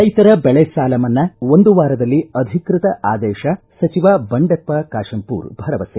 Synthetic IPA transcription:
ɐjt̪ɐɾɐbɛɭesaːlɐmɐnːɐo̞nd̪uʋaːɾɐd̪ɐlːiɐd̪ʱikɾɪt̪ɐʔaːd̪ɛːʃɐ | sɐt͡ʃiʋaːbɐɳɖɐt̪̚pɐkaːʂɐmpṵːɾbʱɐɾɐʋɐse

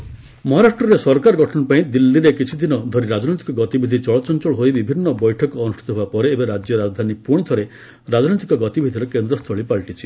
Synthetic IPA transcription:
mɔɦaɾaʃʈɾɔɾesɔɾkaɾɔɡʱɔʈʰɔnɔpaĩd̪ilːiɾekit͡ʃʰid̪inɔd̪ʱoɾiɾad͡ʒnojt̪i̥kɔɡɔt̪ibʱid̪ʱit͡ʃɔɭɔt͡ʃɔnt͡ʃɔɭɔɦojbibʱinːɔbɔjʈʰɔkɔːnusʈʰit̪ɔɦebapɔɾeːbeɾad͡ʒjɔɾad͡ʒd̪ʱanipuɽ̃id̪ʰʱɔɾe | ɾad͡ʒnojt̪ikɔɡɔt̪ibʱid̪ʱiɾɔkend̪ɾɔst̪ʰɔɭipaɭʈit͡ʃʰi

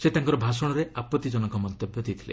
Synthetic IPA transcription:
set̪aŋkɔɾɔbʱasɔɽ̃ɔɾeʔapɔt̪ːid͡ʒɔnɔkɔmɔnt̪objɔd̪it̪ʰi̥lḛ

